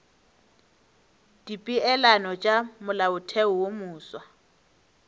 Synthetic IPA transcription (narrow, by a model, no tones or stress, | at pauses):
d̥ipʼiɛlanɔt͡ʃʼamʊlaʊtʰɛʊwomuːswa